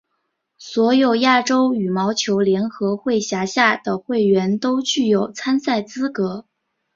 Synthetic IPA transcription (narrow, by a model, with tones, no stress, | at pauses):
swɔ˧˥jo˨˩ʊja˥˩ʈ͡ʂo˥ʊy˨˩mɑ˧˥ʊt͡ɕʰjo˧˥ʊljɛ˧˥nxɤ˧˥xwe˥˩ɪɕja˧˥ɕja˥˩d̪̥ə˩xwe˥˩ɪɥɛ˧˥nt̪o˥ʊt͡ɕy˥˩jo˨˩ʊt͡sʰa˥nsa˥˩ɪt͡sɹ̩˥kɤ˧˥